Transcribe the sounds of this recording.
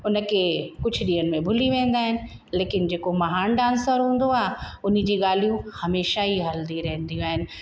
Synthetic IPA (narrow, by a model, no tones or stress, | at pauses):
ʊnə̆kʰeːkʊd͡ʑʱʊ̆ɗiːənɪ̆mẽbʱʊliʋẽːn̆d̪aːɦɪnɪ̆ | leːkɪnd͡ʑeːkomɐɦaːnɖãːnsəɾɦũːn̆d̪oaːɦʊn̤ɪ̆d͡ʑiːɠaːl̤ijũhɐmeːʃaiɦɐld̪iɾɐɦə̃nd̪ijũaːɦɪnɪ̆